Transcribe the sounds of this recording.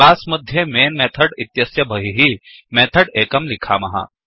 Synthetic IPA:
aːsməd̪ʱjemeːnmɛt̪ʰəɽit̪jɐsjɐbʱəɦiɦimɛt̪ʰəɽeːkəmlikʰamɐɦa̰

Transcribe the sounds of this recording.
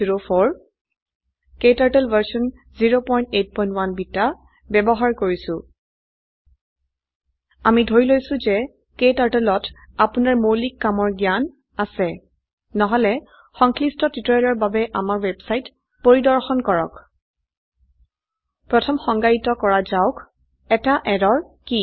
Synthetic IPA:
iɹopʰoɹ | ketaɹtelvaɹsɔn | ziɹopɔj̃ntet̚pɔj̃ntwanbita | bɛbɔɦaɹkoɹisʊ̃ | amidʱojlojsʊ̃zɛ | ketaɹtelɔt | apʊnaɹmowlikːamɔɹɡijan | asɛ | nɔɦɔlɛ | xɔŋkʰlistɔtitɔlɔɹbabɛʔamaɹwɛbsajt | poɹidɔɹxɔnkɔɹɔk | pɹɔtʰɔmxɔŋɡajitɔkɔɹazaʊk | ɛtaʔɛdɔɹki

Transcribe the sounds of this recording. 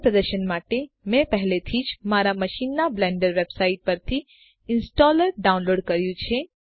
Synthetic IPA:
pɾəd̪əɾʃənmaːʈe | mɛ̃pɛɦlet̪ʰiːt͡ʃmaːɾamɐʃiːnːablɛ̃ːɳɖəɾʋeːbsaːɪʈ̚pɐɾt̪ʰi | ɪnsʈɔːləɾɖaːʊ̃nloːɖkɐɾjũt͡ʃʰe

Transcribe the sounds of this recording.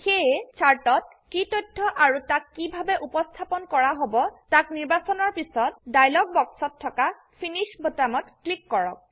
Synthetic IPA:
xeɛt͡ʃʰaɹtɔt̚ | kitɔjtʰːɔʔaɹutakːibʱabɛʔupɔstʰapɔnkɔɹaɦobɔtakniɹbasɔnɔɹpisɔt̚dajlɔɡ̚bɔksɔtʰːɔka | pʰiniʃbotamɔtklikːɔɹɔ̰k̚

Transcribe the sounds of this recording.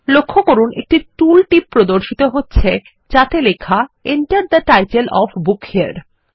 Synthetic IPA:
lokʰːokoɾunʔḛk̚ʈiʈulʈipːɾod̪oɾʃit̪oɦotːɕʰe | t͡ɕat̪elekʰaeɳʈəɾd̪əʈajʈelɔfbukhea̰ɾ

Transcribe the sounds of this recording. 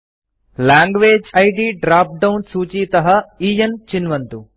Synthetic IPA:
laːŋɡʋeːd͡ʒɐjʈiːɖɾaːp̚ɖɐwnsuːt͡ʃiːt̪ɐɦɐiːjɐnt͡ʃinʋɐnt̪u

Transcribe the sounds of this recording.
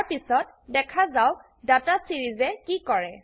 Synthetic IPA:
ɹpisɔt̚ | dɛkʰazaw | datasiɹizɛkikɔɹɛ

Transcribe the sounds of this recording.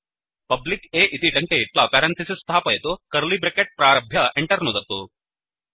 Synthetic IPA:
pɐblikeːʔit̪iʈɐŋkeiʈlɐpɛːɾɐnt̪ʰɐsist̪ʰaːpɐjɐt̪ukɐɾlibɾekeʈ̚pɾaːɾɐbʱjɐʔeɳʈɐɾnud̪ɐt̪u

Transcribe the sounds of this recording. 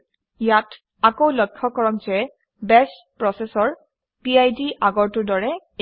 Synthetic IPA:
ijat | akowlɔjkʰːɔkɔɹɔk̚zɛ | bɛs | pɹɔsɛsɔɹ | piajdiʔaɡɔɹtʊdɔɹɛ

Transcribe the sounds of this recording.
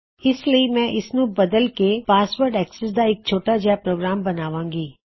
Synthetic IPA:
ɪsləimɛ̃ːʔɪsnũbɐd̪əlkepaːsʋəɾɖɛːksɛs̬d̪aɪk̚t͡ʃʰoːʈad͡ʒapɾoːɡɾaːmbɐnaːʋãːŋɡiː

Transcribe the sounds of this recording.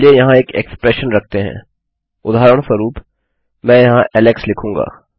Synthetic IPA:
liejɐɦãeːkḛkspɾeːʃənɾɐk̚ʰt̪eɦɛ̰̃ː | ʊd̪ʱaːɾəɽ̃səɾuːp | mɛ̃ːjɐɦãʔɛːlekslɪkʰũːŋɡa̰ː

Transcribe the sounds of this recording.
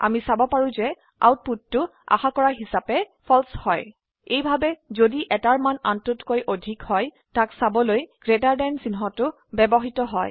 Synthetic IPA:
a̰misabɔpaɹũzɛ | a̰wt̚putːʊa̰xakɔɹaɦisapɛ | pʰɔlshɔj | ejbʱabɛzodiʔɛtaɹmana̰ntʊtkojʔodʱikhɔj | taksabɔlojɡ̥ɹetaɹdɛnsinɦɔtʊ | bɛbɔɦitɔɦɔj

